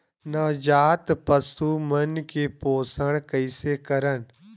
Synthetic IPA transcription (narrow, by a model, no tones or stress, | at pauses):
naːd͡ʒaːt̪pəsumənkeːpoːsəɽ̃kəɪsekɐɾən